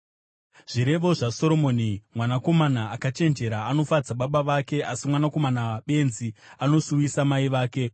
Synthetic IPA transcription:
ʐ̥iɾe̞ʋo̞ʐaso̞ɾo̞mo̞ːnimwanako̞manaːkat͡ʃe̞nd͡ʒe̞ɾaːno̞fad͡zaɓaɓaʋake̞ʔasimwanako̞manaaɓe̞nziano̞suisamaiʋaːke̞

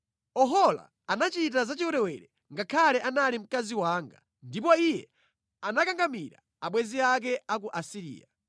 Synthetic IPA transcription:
ɔɦɔla̰ːnat͡ʃit̬azat͡ʃiwuɾɛwɛɾɛ | ŋɡakʰalɛʔanalim̩kaziwaːŋɡa̰ | ndipɔijɛ̰ | anakaŋɡamiɾa̰ | aɓwɛziak̬ɛakuʔasiɾḭːa̰

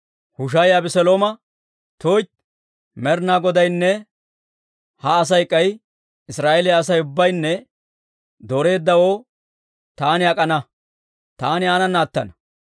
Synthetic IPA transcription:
hʊʃ̬ɐjɐbɛsɛloːmɐ | t̪oːjt͡ʃ | mɛɾnaːɡɔd̪ɐjnːɛ | hɐːs̬ɐjkʼːɐj | ɪsɾaːʔɛlɪjɐːs̬ɐjʊbːɐjnːɛ | d̪oɾe̞ːd̪ːɐwo̞ː | t̪aːnɪɐkʼɐnɐ | t̪aːnɪaːnɐnaːt̪ːɐ̰nɐ

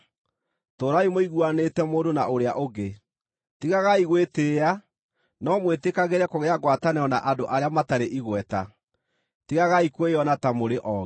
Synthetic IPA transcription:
toːɾaimoiɣwanetɛmoːdonaʔoɾeaʔoɡe | tiɣaɣaiɣweteːa | nɔmwetekaɣeɾɛkoɣeaɡwatanɛɔnaʔadoʔaɾeamataɾeʔiɣwɛta | tiɣaɣaikweɔnatamoɾeʔɔ

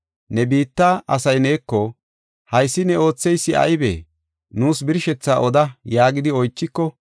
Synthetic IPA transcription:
nɛbiːt̪ːaʔɐsɐjne̞ːkːɔ | hɐjsːɪnɛo̞ːt͡sːɛjsːɪɐ̰jbḛː | nuːsbɪɾʃɛt͡sːaːʔɔd̪ɐjaːɡɪd̪ɪɔjt͡ʃːɪkːɔ

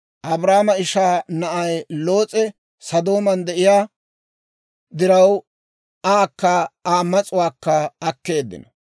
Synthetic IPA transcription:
ʔɐbɾaːmɐɪʃaːnɐʔɐjlo̞ːt͡sʼɛ | sɐd̪oːmɐnd̪ɛʔɪjaː | d̪ɪɾɐw | aːkːɐaːmːɐt͡sʼʊwaːkːɐɐkːe̞ːd̪ːɪ̰nɐ

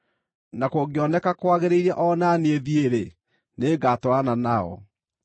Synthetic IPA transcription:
nakoɡeɔnɛkakwaɣeɾeiɾɛʔɔnaneðieɾe | neːɡatoananaɔ̰

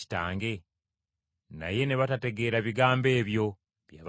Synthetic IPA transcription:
i̥taːŋɡe̞ | na̰je̞ne̞βatate̞ɡe̞ːɾaβiɡaːmbe̞ːβjo̞ | βjaβ

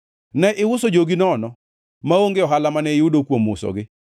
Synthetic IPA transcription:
nɛʔɪwʊsod͡ʒoɡinɔnɔ | maoŋɡeɔɦalamanɛɪudokwomʊsɔ̰ɡɪ

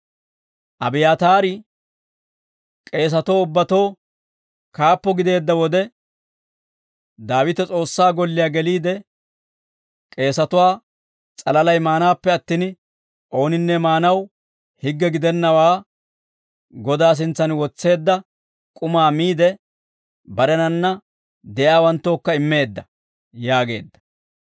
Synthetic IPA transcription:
ʔɐbɪjaːt̪aːɾɪ | kʼe̞ːs̬ɐt̪oːʊbːɐt̪o̞ː | kaːpːɔɡɪd̪e̞ːd̪ːɐwɔd̪ɛ | d̪aːwɪt̪ɛt͡sʼo̞ːsːaːɡɔlːɪjaːɡɛliːd̪ɛ | kʼe̞ːsɐt̪ʊwaː | t͡sʼɐlɐlɐjmaːnaːpːɛɐt̪ːiːn | ʔo̞ːnɪnːɛmaːnɐw | hɪɡːɛɡɪd̪ɛnːɐwaː | ɡɔd̪aːs̬ɪnt͡sːɐnwɔt͡sːe̞ːd̪ːɐ | kʼʊmaːmiːd̪ɛ | bɐɾɛnɐnːɐ | d̪ɛʔjaːwɐnt̪ːo̞ːkːɐɪmːe̞ːd̪ːɐ | jaːɡe̞̰ːd̪ːɐ̥

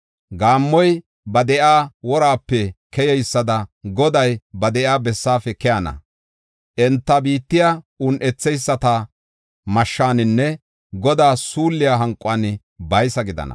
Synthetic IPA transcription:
ɡaːmːɔj | bɐd̪ɛʔaːwɔɾaːpːɛkɛjɛjsːɐd̪ɐɡɔd̪ɐjbɐd̪ɛʔaːbɛsːaːfɛkɛjɐnɐ̰ | ʔɛnt̪ːɐbiːt̪ːɪja | ʊnʔɛt͡sːɛjsːɐt̪ɐ | mɐʃːaːnɪnːɛ | ɡɔd̪aːsuːlːɪjaɦɐŋkʼːʊaːnɪ | bɐjsɐɡɪd̪ɐ̰nɐ̰

